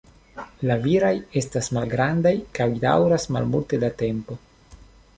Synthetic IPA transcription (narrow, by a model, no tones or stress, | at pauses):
laviɾaje̞stasmalɡɾandajkawida̰wɾasma̰lmulte̞date̞mpo̞